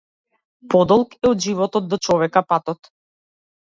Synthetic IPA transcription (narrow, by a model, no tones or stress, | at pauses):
pɔd̪ɔlˠkɛɔd̪ʒivɔt̪ɔt̪̚d̪ɔt͡ʃɔvɛkapat̪ɔt̪